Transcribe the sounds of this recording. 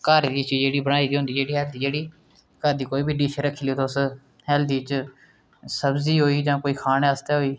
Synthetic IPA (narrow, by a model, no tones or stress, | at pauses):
kəɾd̪iːt͡ʃːd͡ʒeːɽiːbəɽaːiːd̪iːɦʊ̃nd̪iːd͡ʒeːɽiːɦɛːld̪iːd͡ʒeːɽiː | kəɾd̪iːkoːiːbiːɖiːʃʰɾəkʰːiːleːt̪os | ɦɛːld̪iːt͡ʃ | səbziːɦoːiːd͡ʒãːkoːiːkʰaːneːəst̪aːɦoːiː